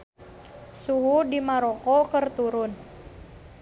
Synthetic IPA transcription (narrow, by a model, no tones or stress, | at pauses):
suɦudimaɾɔkɔkərt̪uɾʊn